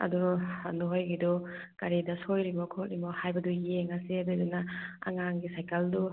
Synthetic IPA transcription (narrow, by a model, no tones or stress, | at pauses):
ɐ̰dṵnuɦojɡidɔ | kɐɾidɐsojɾimɔkʰotɾimɔhajbɐdujeŋɐsiɐdudunaa̰ŋaŋɡisajkʰeldu